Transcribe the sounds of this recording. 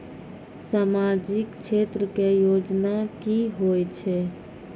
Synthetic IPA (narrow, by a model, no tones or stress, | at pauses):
samad͡ʒɪkt͡ʃʰet̪ɾəkejod͡ʒnakiɦojt͡ʃʰɛ